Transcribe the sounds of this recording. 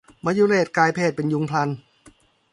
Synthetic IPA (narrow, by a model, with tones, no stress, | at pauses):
maː˧juː˧leː˨˩t̪̚kaː˧jpʰeː˥˩t̪̚pe˧nju˧ŋpʰla˧n